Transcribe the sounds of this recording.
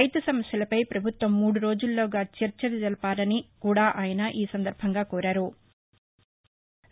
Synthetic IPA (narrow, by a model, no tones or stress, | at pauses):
ɐjt̪ɐsɐmɐsjɐlɐpɐjpɾɐbʱut̪ʋɐmːuːɽuɾo̞ːd͡ʒulːoːɡaːt͡ʃɐɾt͡ʃɐʋid͡ʒ̪ɐlɐpaːlɐnikuːɽaːʔaːjɐnɐʔiːsɐnd̪ɐɾbʱɐŋɡaːkoːɾaːɾu